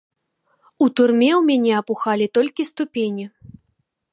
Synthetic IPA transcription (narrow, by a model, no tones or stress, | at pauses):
ut̪urmʲɛwmʲanʲɛɐpuxalʲit̪ɔlʲkʲist̪upʲenʲi